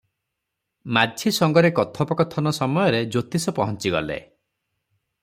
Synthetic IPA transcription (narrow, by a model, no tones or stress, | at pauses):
madʱisɔŋɡɔɾekɔt̪ʰɔpɔkɔt̪ʰɔnɔsɔmɔjɔɾed͡ʒot̪isɔpɔɦɔnt͡ʃiɡɔ̰lḛ